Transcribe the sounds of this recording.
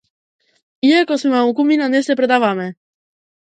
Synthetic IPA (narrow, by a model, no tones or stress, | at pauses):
iakɔsmɛmaukuminanɛsɛpɾɛd̪avamɛ